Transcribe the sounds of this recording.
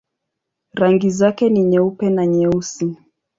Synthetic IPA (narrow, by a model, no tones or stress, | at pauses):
ɾaŋɡizakɛniɲɛupɛnaɲɛusi